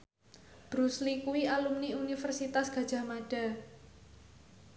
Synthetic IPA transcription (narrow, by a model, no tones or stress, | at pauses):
b̥ɾuslikuwialumniunifərsit̪asɡ̥a̤dʒ̥a̤maɖ̥a̤